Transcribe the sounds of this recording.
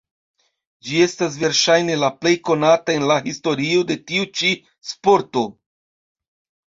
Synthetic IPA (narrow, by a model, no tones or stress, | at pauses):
d͡ʒie̞stas̬ve̞ɾʃajne̞laple̞jko̞natae̞nlaɦisto̞ɾiode̞tiut͡ʃi | spo̞ɾto̞